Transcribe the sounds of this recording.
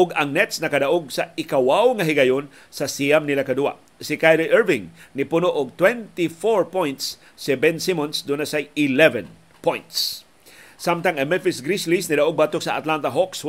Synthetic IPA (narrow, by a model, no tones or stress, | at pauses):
ʔʊɡɐŋnɛt̪snɐkɐd̪aʔoɡ̚sɐɪkawawŋɐɦɪɡɐjon | sɐsijamnɪlakɐd̪uwa̰ | sɪkajɾoʔɛɹvɪŋnɪpʊnoʔʊɡ̚t̪wɛnt̪ifoɹpɔjnt̪sː | ɪbɛnsimɔnsd̪ʊnasajɪlɛvɛn | pɔjnt̪s | samt̪aŋɐmɛnfɪsɡɾislisnid̪aʔoɡ̚bat̪oksɐat̪lant̪ɐɦɔks